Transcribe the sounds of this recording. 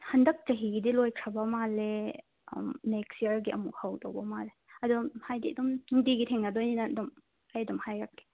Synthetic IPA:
hɐndɐk̚t͡ʃɐɦiɡidilojkʰɾɐbɐmalḛ | mnekstiəɾɡiʔɐmukhawdɔwbɐmaleɐdɔmhajdidɔmŋdiɡitʰɛŋnɐdojinɐdɔm | ɐjdɔmhajɾak̚ːe̥

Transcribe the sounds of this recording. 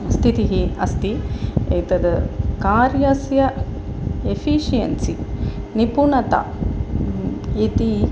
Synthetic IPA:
st̪ʰit̪iɦiɐ̰st̪iḛjt̪ɐd̪kaːɾjɐsjɐ | efʰiʃijɐ̰nsinipunɐt̪ɐ̰ | it̪i

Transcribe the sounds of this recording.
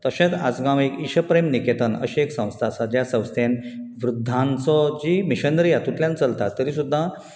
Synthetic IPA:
t̪əɕẽt̪a̰d͡zɡãʋekiɕəpɾemniket̪ənə̰ɕieksə̃w̃st̪ʰasad͡ʑjasə̃w̃st̪ʰenʋɾud̪ʱːãnt͡sɔd͡ʑimiɕənɾijat̪ut̪ljãnt͡səlt̪at̪ːəɾiːsud̪ʱːa

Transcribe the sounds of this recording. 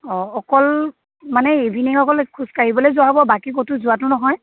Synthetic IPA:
ɔɔkɔl | manɛebʱiniŋɔkɔlkʰuskaɹibɔlojzʊabɔbakikotuzʊatʊnɔɦɔj

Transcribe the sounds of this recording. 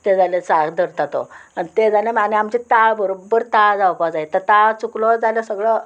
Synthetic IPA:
t̪ed͡zalet͡sakd̪əɾt̪at̪o̰anit̪ed͡zalãmaneamt͡ɕit̪aɭbəɾobəɾt̪ad͡zawpad͡zait̪əɾt̪at͡suklɔd͡zaljasəɡɭə

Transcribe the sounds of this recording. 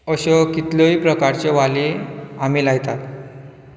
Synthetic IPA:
əɕɔkit̪ləiːpɾəkaɾt͡ɕeʋaliam̤iːlajt̪at̪

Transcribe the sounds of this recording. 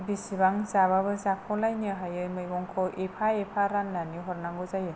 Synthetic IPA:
bisibaŋzaβaβɯzakʰɔlajnɯɦajɯmɯjɡɔŋkʰɔʔepʰaepʰaɾanːaniɦɔɾnaŋɡɔzajɯ

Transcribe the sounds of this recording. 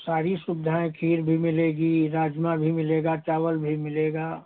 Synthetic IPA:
saːɾisʊbɪd̪ʱaːẽkʰiːɾbʱimɪleːɡiɾaːd͡ʒmabʱimɪleːɡat͡ʃaːwəlbʱimɪleːɡaː

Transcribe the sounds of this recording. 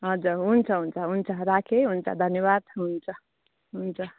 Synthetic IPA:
ɦʌd͡zuɾɦunt͡sʰʌɦunt͡sʰʌɦunt͡sʰʌɾakʰeɦunt͡sʰʌ̰d̪ʱʌnjʌβad̪ɦunt͡sʰʌ | ɦunt͡sʰʌ

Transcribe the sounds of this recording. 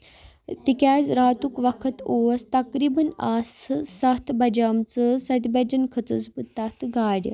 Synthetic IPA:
t̪ikaːt͡sɾaːt̪ukʋɐkʰɐt̪ost̪ɐkɾiːbɐnaːssɐɦt̪ʰbɐd͡ʑaːmt͡səsɐt̪bɐd͡ʑɐnkʰət͡sət͡sbɨt̪ːat̪ʰɡʱaːɽjə̰

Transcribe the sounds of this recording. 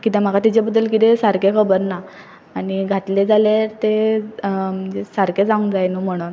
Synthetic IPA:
kit̪ɛ̃m̤akat̪it͡ɕebəd̪ːəlkit̪esaɾkekʰəbəɾnaː | ñiɡʱat̪led͡zaleɾt̪e | məd͡ʑesaɾked͡zaũŋd͡zajnum̤əɽ̃uːn

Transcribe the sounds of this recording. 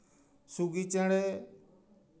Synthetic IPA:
suːɡiːt͡ʃẽːɽeː

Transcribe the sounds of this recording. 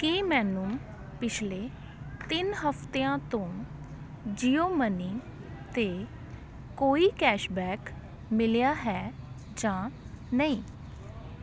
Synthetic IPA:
kiːmɛːnũ | pɪt͡ʃʰleː | t̪ɪnɦəpʰt̪eãːt̪õː | d͡ʒiːjoːmənɪ̃ŋ | t̪eː | koːiːkɛːʃbɛːk | mɪlejaːɦɛː | d͡ʒãː | nəĩː

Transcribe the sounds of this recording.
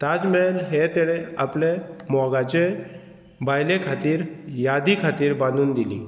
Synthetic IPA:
t̪ad͡zmelɦet̪eɽea̰plemɔɡat͡ɕe | bajlekʰat̪iːɾjad̪ikʰat̪iːɾbãnd̪uːnd̪ilḭ

